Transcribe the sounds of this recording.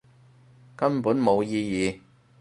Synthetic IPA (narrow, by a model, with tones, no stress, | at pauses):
kɐ˥mpuː˨˥nmo˨˧wjiː˧jiː˨